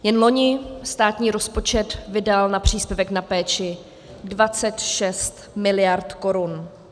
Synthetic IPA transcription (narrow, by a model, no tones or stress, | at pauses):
jɛnlo̞ɲɪst̪aːt̪ɲiːɾo̞spo̞t͡ʃɛt̪vɪdalnapr̝̥iːspjɛvɛknapɛːt͡ʃɪ | dvat͡sɛt̪ʃɛst̪mɪlɪjaɾt̪ko̞ɾʊn